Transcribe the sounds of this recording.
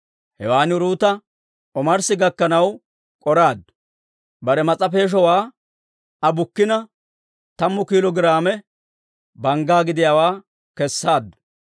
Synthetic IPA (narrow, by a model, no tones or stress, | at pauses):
hɛwaːnɪɾuːt̪ɐ | ʔɔmɐɾsɪɡɐkːɐnɐw | kʼɔɾaːd̪ʊ | bɐɾɛmɐt͡sʼɐp̬e̞ːʃ̬ɔwaː | ɐbʊkːɪnɐ | t̪ɐmːʊkiːlɔɡɪɾaːmɛ | bɐŋɡaːɡɪd̪ɪjaːwaː | kɛsːaːd̪ːʊ̥